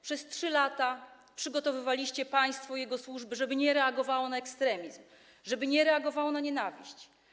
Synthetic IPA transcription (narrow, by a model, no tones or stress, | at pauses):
pʂɛstʂɘlat̪a | pʂɘɡɔt̪ɔvɘvalʲiɕt͡ɕɛpaj̃st̪fɔjɛɡɔswuʐbɘʐɛbɘɲɛɾɛaɡɔvawɔnaɛkst̪ɾɛmʲizm | ʐɛbɘɲɛɾɛaɡɔvawɔnaɲɛnavʲiɕt͡ɕ